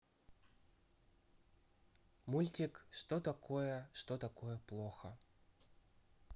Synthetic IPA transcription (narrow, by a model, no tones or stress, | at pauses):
mulʲtʲɪkʂt̪ot̪ɐkʰojəʂt̪ot̪ɐkojəplˠoxə